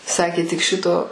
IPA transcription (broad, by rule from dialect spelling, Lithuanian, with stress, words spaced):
ˈsɑːkʲeː tʲɪk ˈʃʲɪtoː